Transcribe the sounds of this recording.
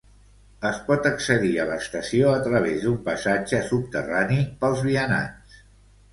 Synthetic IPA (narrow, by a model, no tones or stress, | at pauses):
əspɔt̪əksəðiələst̪əsioət̪ɾəβ̞ezd̪umpəsad͡ʒəsup̚t̪ə̰ranipəlˠzβiəna̰ns